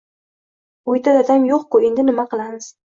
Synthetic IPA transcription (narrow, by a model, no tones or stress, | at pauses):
ojt̪ʰad̪ad̪amjoqkʊe̞nd̪ɪnɪmaqɨlˠamɨz̥